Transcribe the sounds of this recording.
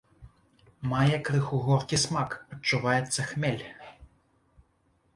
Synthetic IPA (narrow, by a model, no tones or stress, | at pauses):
majɛkɾɨxuɣɔrkʲismakɐt͡ʂːʊʋajɛt̪sːɐxmʲɛlʲ